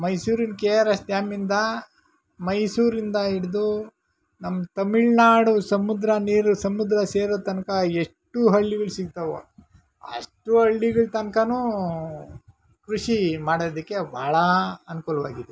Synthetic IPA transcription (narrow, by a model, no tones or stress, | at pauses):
mɐjsuːɾinkeːɾɐst̪jaːmind̪ɐ | mɐjsuːɾind̪ɐiɽd̪u | nɐmːt̪ɐmiɭnaːɽusɐmud̪ɾɐniːɾusɐmud̪ɾɐseːɾoːt̪ɐnkɐeʂʈːuɦɐɭːiɡɐɭsiɡ̚t̪ɐʋo̰ | ɐ̰ʂʈuɦɐɭːiɡɐɭt̪ɐnkɐnu | kɾuʂimaːɽod̪ikːe̞bʱaːɭɐɐnkuːlʋaːɡid̪e